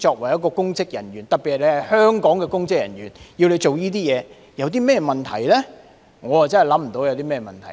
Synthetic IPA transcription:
t͡ʃɔː˧k̚wɐ˨˩jɐ˥t̚kːɔː˧kʊ˥ŋt͡sɪ˥k̚jɐ̰˨˩nɥyː˨˩nt̪ɐ˨k̚pi˨thɐ˨le˨˧jhɐ˨jhœː˥ŋkɔː˨˥ŋkɛː˧kʊ˥ŋt͡sɪ˥k̚jɐ̰˨˩nɥyː˨˩nji˧wle˨˧jt͡ʃo˨wjiː˥t̪̬iː˥jɛː˨˧ | jɐ˨˧wt̪̬iː˥mɛː˥mɐ˨nt̪ʰɐ̰˨˩jlɛː˥ | ŋɔː˨˧jɐ˨t͡sɐ˥nɦɐ˨jlɐ˨˥m̩˨˩t̪o˨˥wjɐ˨˧wt̪iː˥mɛː˥mɐ˨nt̪ʰɐ˨˩j

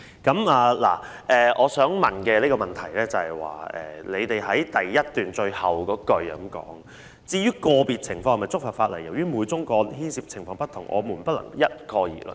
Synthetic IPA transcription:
kɐ˨˥maː˨˩la̰ː˨˩ | ʔɛː˨ʔɔː˨˧sœː˨˥ŋmɐ˨nkɛː˧liː˥kɔ˧mɐ˨˩nt̪ʰɐ˨˩jlɛː˥t͡sɐ˨hɐ˨˩jwa̰ː˨ɛ̰ː˨˩le˨˧jt̪e˨jɦɐ˨˥jt̪ɐ˨jːɐ˥t̚t̪yː˨nt͡ʃɵ˧ɥhɐ˨wkɔː˨˥kɵ˧ɥɐ̰˨˦mkɔ̰ː˨˥ŋ | t͡siː˧jyː˥kɔː˧piː˨˩t̚t͡sʰɪ˨˩ŋfɔː˧ŋɐ˨˩mɐ˨jt͡sʊ˥k̚faː˨˩faː˧t̚lɐ˨˩jːɐ˨˩wjyː˥muː˨˧˥jt͡sʊ˥ŋkɔː˧˥nɦiː˥nsiː˧p̚t͡sʰɪ˨˩ŋfɔː˧ŋpɐ˥t̪̚ʰʊ˨˩ŋʔɔ̰ː˨˧muː˨˩npɐ˥t̚lɐ̰˨˩ŋjɐ˥t̚kʰɔː˧jḭː˨˩lə̰˨˩n

